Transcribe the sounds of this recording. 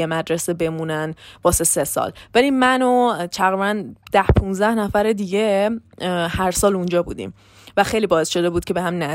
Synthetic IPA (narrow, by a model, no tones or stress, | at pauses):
emæd̪ɾesebe̞munænb̥ɒːse̞se̞sɒ̰ːlvæliːnmænot̪ʰæɣɾibænd̪̥æhpʰũnzd̪æhnæfæɾed̪iɟe | hæɾsɒːlund͡ʒɒːbṵːd̪ḭːm | væxe̞jliːbɒːesʃo̞d̪e̞buːd̪̚cʰe̞behæmnæ